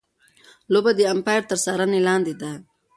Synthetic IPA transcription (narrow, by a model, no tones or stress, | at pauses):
lobad̪iampaːjɾt̪əɾsaɾanilaːnd̪id̪a